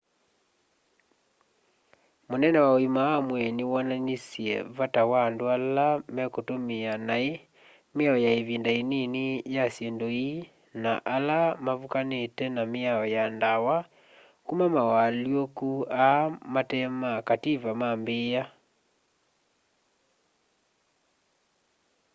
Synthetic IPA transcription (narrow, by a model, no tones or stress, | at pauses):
monɛnɛwaoimawamwɛnewɔnanisjɛ̰βatawandoalamɛkotomeanae | meaɔjaeβindaenenejasjɛndoi | naʔalamaβukanetɛnameaɔjandawa | kumamawaljokuamatɛmakatiβamambeːa